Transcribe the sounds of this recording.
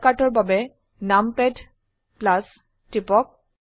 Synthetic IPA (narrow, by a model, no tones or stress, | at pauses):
katɔɹbabɛ | nampɛd | plas | tipɔk̚